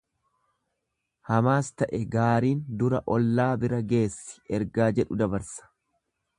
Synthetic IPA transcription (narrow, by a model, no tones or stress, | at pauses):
hɐmaːst̪ɐʔɛɡaːɾiːnd̪ʊɾɐʔɔlːaːbɪɾɐɡe̞ːsːɪ̥ɛɾɡaːd͡ʒɛᶑʊd̪ɐbɐɾsɐ̥